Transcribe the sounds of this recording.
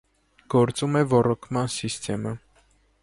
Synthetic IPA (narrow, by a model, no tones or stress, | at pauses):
ɡ̥ɔɾt͡sumɛvɔrɔkʰmɑnsist̪ʰɛmə